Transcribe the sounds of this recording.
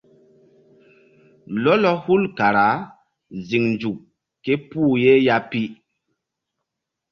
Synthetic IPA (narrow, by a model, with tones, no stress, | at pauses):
lɔ˦lɔ˦hu˦lka˨ɾa˨˦ | zi˨ŋnd͡ʒu˨k | kːe˦puː˦˨je˦ja˦pi˦